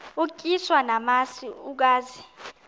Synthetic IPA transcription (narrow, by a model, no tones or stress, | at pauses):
uk̬ʼiswanamasiuk̬aːzi